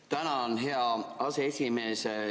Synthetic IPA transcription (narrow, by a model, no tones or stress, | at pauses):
t̪ænæonɦeɑɑseesimese